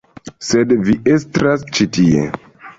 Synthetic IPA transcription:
sedviʔestɾast͡ʃitiḛ

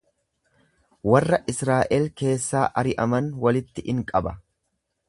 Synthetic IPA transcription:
wɐrːɐʔɪsɾaːʔɛlke̞ːsːaːʔɐɾɪʔɐmɐnwɐlɪt̪ːɪʔɪŋkʼɐbɐ

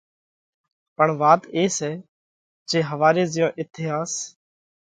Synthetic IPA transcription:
pəɳʋaːt̪eːsɛː | d͡ʒeːɦəʋaːɾeːzɪjõːʔɪt̪ʰɪeːɦãːs

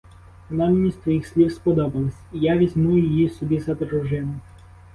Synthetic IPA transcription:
nɑmʲinʲist̪ɔjixsʲlʲiwspɔd̪ɔbɐlˠɪsʲijaʋʲizʲmujʊjɪjisɔbʲizɐd̪ɾʊʒɪnʊ

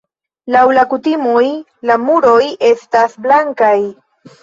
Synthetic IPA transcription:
lawlakutimoj | lamuɾo̞je̞stasblaŋkaj

